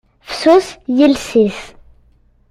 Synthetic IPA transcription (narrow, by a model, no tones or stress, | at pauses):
fsusjəlsis